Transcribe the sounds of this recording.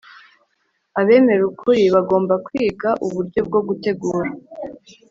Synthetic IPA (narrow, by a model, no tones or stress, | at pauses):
aβe̞ːme̞ɾukʰuɾiβaɡo̞ːmbakwiːɡaʔuβuɾɟo̞b̚ɡo̞ɡute̞ɡuːɾa